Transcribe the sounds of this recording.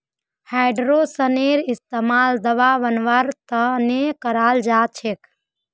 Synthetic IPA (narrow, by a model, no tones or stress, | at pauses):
hajɖɾosəneɾist̪emaːld̪əʋaʋənʋəɾt̪ənekəɾald͡ʒat͡ʃʰek